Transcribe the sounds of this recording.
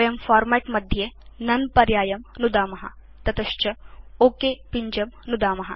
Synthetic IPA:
jɐmfaːɾmeːʈmɐd̪ʱjenɐnpɐɾjaːjɐmnud̪aːmɐɦɐ̰ | t̪ɐt̪ɐʃt͡ʃɐoːkeːpiɲd͡ʒɐmnud̪aːmɐɦɐ̰

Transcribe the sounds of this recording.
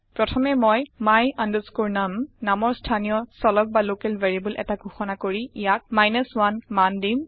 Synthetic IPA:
pɹɔtʰɔmɛmɔjmajanduskuɹnamnamɔɹstʰanijɔsɔlɔk̚balokɛlveɹibulʔɛ̰taɡʱuxɔnakoɹiijak̚majnəswanmandim

